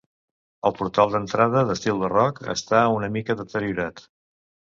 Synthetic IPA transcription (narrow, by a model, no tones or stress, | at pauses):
əlˠpuɾt̪alˠd̪ənt̪ɾað̞əðəst̪ilˠd̪ərɔkə̰st̪aunəmikəðət̪əɾjuɾat̪